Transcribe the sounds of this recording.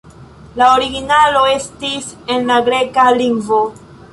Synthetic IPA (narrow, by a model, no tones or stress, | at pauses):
laoɾiɡinalo̞e̞stisenlaɡɾe̞kaliŋɡvo̞